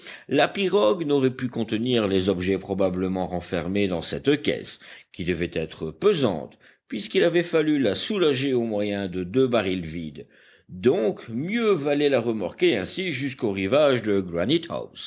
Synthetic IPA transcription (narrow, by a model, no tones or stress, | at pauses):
lapiʁɔɡnɔʁɛpykɔ̃t̪əniʁlɛzɔbʒɛpχɔbabləmɑ̃ʁɑ̃fɛʁmed̪ɑ̃sɛt̪kʲɛ̰skʲid̪əvɛt̪ɛt̪χəpøzɑ̰̃t̪ | pɥiskilavɛfalylasulaʒeomwajɛ̃d̪əd̪øbaʁilvid̪ | d̪ɔ̃kmjøvalɛlaʁəmaʁkeɛ̃siʒyskoʁivaʒd̪əɡʁanit̪ha̰ws